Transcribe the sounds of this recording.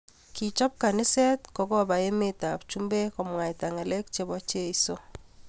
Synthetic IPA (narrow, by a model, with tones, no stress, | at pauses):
ki˨t͡ʃɔ˦p̚ka˨nɪ˦sɛ˦tkɔ˦kɔ˦ba˨e˦me˦ta˨p̚t͡ʃu˦mbe˦kɔ˨mwa˨i˨ta˨ŋe˨le˦kt͡ʃe˦βɔ˦t͡ʃe˦i˦so˦